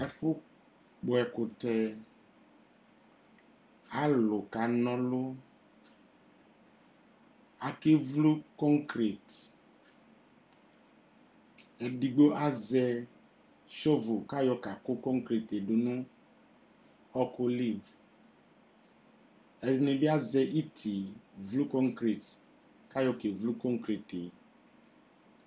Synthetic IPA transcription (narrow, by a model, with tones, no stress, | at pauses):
ɛ˨fʊ˦ | k͡pʊ˨ɛ˨kʊ˨tɛ˨ | a˦lʊ˨ka˨nɔ̃˦lʊ˦ | a˨ke˦vlu˦kɔ˦ŋkɾi˨t | ɛ˨di˨ɡ͡bo˦ʔa˦zɛ˨ | ʃo˦vʊ˨ka˦jɔ˨ka˨kʊ˦kɔ˦ŋ˦kɾi˨te˨dʊ˨nʊ̃˦ | ɔ˦kʊ˦li˦ | ɛ˨ne˨bi˦a˦zɛ˦ʔi˦tʰi˨vlu˦kɔ˦ŋkɾi˨t | ka˦jɔ˨ke˨vlu˦kɔ˦ŋkɾi˨te˨